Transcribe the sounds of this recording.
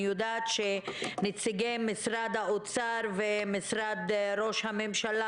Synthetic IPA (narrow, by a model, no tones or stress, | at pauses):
jod̪at̪ʃenit͡siɡemːisɾad̪haot͡saɾvemisɾad̪ɾo̞ʃhamemʃala